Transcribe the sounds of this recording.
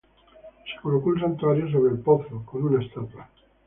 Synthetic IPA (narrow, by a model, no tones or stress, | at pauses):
se̥kolokoels̬ant̪uaɾjos̬oβ̞ɾelpoθɾokonunaest̪at̪wa